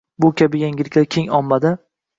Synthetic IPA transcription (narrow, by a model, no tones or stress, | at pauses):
bʊkʲʰabɪjaŋʲɪlɪkʲlaɾkʲʰe̞ŋɒmːad̪ɪ